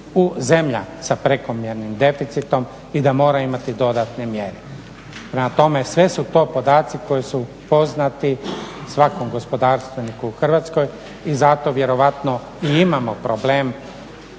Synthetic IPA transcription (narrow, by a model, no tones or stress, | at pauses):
uze̞mʎa̰sapɾeko̞mjeɾnimd̪e̞fit̪sit̪o̞m | id̪amo̞ːɾaimat̪id̪o̞d̪at̪nemjeɾe | pɾemat̪o̞me̞sʋe̞sut̪o̞ːpo̞d̪aːt̪siko̞jisu | po̞znat̪isʋako̞mɡo̞spo̞d̪aːɾst̪ʋenikuːxr̩ʋat̪sko̞j | izat̪o̞ʋje̞ɾo̞ʋat̪no | iimamo̞pɾobleːm